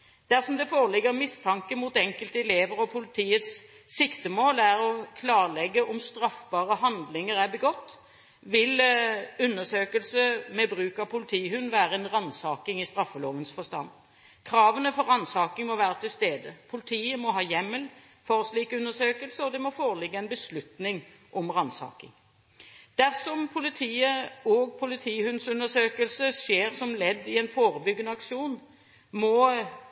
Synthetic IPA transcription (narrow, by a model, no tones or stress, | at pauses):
d̪̥æʁsɔmd̪ɛfoːɾəlɪɡːəɾmɪst̪ʰɑŋkəmuːt̪ɛŋkəlt̪əɛleːʋəɾɔpʰʊlɪt̪ʰiːət̪s | sɪkt̪əmoːlæɾɔkʰlɑːʁlɛɡːəʔɔmst̪ɾɑfbɑːɾəɦɑnd̪lɪŋəɾæbəɡɔt̪ː | ʋɪlʉnːəʂøːkəlsəmɛbɾʉːkɑpʰʊlɪt̪ʰiːhʉnːʋæːɾəɛnɾɑnsɑːkɪŋɪst̪ɾɑfːəloːʋənsfɔst̪ɑ̰nd̪ | kʰɾɑːʋənəfɔɾɑnsɑːkɪŋmɔʋæːʁət̪ʰɪlst̪eːd̪əpʰʊlɪt̪ʰiːəmɔɦɑːjɛmːəlfɔʁɔsliːkʉnːəʂøːkəlsəɔd̪ɛmɔfoːʁəlɪɡːəɛnbəslʉt̪nɪŋ | ʔɔmʁɑnsɑ̰ːkɪ̰ŋ | d̪̥æʁsɔmpʰʊlɪt̪ʰiːəɔɡ̚pʰʊlɪt̪ʰiːhʉnsʉnəʂøːkəlsəʂeːʁsɔmlɛd̪ːɪɛnfoːɾəbʏɡənəɑkʂuːn | mɔ